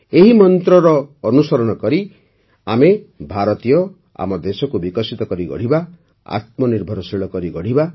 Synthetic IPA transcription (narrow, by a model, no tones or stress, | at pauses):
eɦimɔnt̪ɾɔɾɔːnusɔɾɔɽ̃ɔkɔɾi | amebʱaɾɔt̪ijɔ | a̰mɔd̪esɔkubikɔsit̪ɔkɔɾiɡɔ̰ɽ̤iba | a̰t̪̚mɔniɾbʱɔɾɔsiɭɔkɔɾiɡɔɽ̤iba